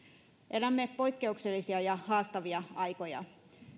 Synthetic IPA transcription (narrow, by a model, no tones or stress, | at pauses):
ʔelæmːepo̞ikːe̞ukselːisiɑjɑhɑːst̪ɑʋiɑɑjko̞jɑ̰